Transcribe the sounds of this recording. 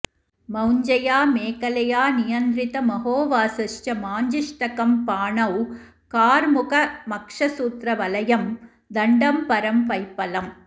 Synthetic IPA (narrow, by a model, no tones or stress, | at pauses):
mɐwɲd͡ʒɐjaːmeːkɐlɐjaːnɪjɐnd̪ɾɪt̪ɐmɐɦoːʋaːsɐʂt͡ʃɐmaːɲd͡ʒɪʂʈɐkɐmpaːɳɐw | kaːɾmʊɣɐmɐkʂɐsuːt̪ɾɐʋɐlɐjɐm | d̪ɐɳɖɐmpɐɾɐmpɐɪpːɐlɐm